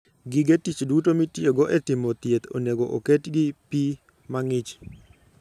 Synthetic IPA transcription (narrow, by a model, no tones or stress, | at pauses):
ɡɪɡetit͡ʃdutomitjeɡɔʔɛtɪmot̪jet̪o̰neɡoʔoketɡɪpi | maŋɪt͡ʃ